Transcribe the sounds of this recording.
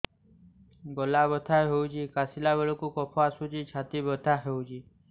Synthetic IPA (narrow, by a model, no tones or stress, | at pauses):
ɡɔlabɔt̪ʰaɦewd͡ʒikasilabeɭɔkukɔpʰɔasud͡ʒit͡ʃʰat̪ibɔt̪ʰaɦewd͡ʒi